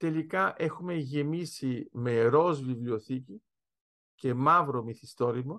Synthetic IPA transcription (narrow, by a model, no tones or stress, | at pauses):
t̪e̞likɐʔe̞xume̞ʝe̞misime̞ɾo̞zvivlioθici | ce̞mɐvɾomiθist̪o̞ɾimo